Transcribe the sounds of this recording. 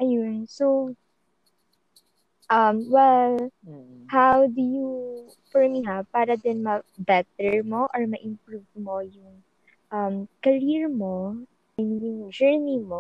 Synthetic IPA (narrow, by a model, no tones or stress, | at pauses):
ʔɐjonsow | ʔɐmwɛl | hawd̪ʊju | fɔɹmiɦapaːɾɐd̪ɛnmɐbɛt̪ɛɹmo̞ʔɔɹmɐʔɪmpɹuvmo̞jʊŋ | ʔɐmkɐɾiɹmo | ɛnjʊŋd͡ʒɛɹnimo